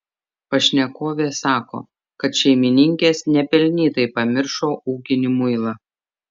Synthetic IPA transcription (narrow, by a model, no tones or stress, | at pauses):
pɐʃʲnʲɛkoːʋʲeːsɑːko̰ː | kɐt̪ʃʲɛɪmʲɪnʲɪŋʲkʲeːsnʲɛpʲɛlʲnʲiːt̪ɐɪpɐmʲɪɾʃoːʔuːkʲɪnʲɪmʊɪlˠɐ